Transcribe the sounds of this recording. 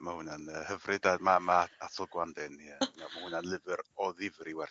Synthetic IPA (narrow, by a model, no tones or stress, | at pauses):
mahunanəhəvrɪdadmamaatʰɔlˠɡwandɛniəmamahunanlˠɪvɨɾɔðɪvɾiwɛr